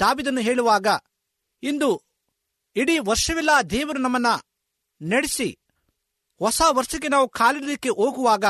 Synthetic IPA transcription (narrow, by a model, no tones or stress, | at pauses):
d̪̥aːʋiːd̪ɐnːuɦeːɭuʋaːɡɐ | ind̪u | iɽiʋɐɾʂɐʋilːaːd̪ɛːʋɐɾunɐmːɐnːɐ | nɐɽesi | hɔsaːʋɐɾʂɐɡenaːʋukʰaːliɾlikːeʔoːɡuʋaːɡɐ